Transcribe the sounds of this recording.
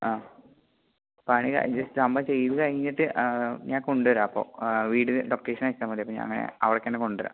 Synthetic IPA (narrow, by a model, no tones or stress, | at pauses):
aː | paːɳika̰d͡ʑɐsɨɐmbɐt͡ɕe̞jːɐðɨkɐɻiɲːiʈːɨɲaːŋkoɳɖuʋɐɾaɐpːo̰ːʋiːɽɨlokːeːʂɐnaːikːamɐt̪ːiɐpːoɲa̰ːɐ̰ŋːɐnḛɐ̰ʋɐrɐkːenːeko̞ɳɖuʋɐɾa̰